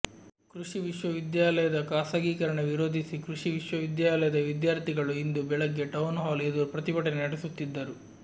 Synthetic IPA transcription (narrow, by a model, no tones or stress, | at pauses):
kɾuʂiʋiʂʋɐʋid̪jaːlɐjɐd̪ɐkaːsaːɡiːkɐɾɐɳeʋiɾoːd̪ʱisikɾuʂiʋiʂʋɐʋid̪jaːlɐjɐd̪ɐʋid̪jaːɾt̪iɡɐɭuind̪ubɛɭɐɡːeʈɐwnɦaːleːd̪upɾɐt̪ibɐʈɐnenɐɽesut̪ːid̪ːɐɾu